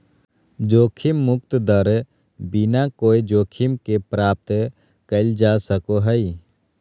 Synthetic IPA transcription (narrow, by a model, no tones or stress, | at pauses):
d͡ʒoːkʰɪmːʊk̚t̪d̪əɾ | binakoːid͡ʒoːkʰɪmkepɾaːp̚t̪ | kəld͡ʒaːsəkoɦəi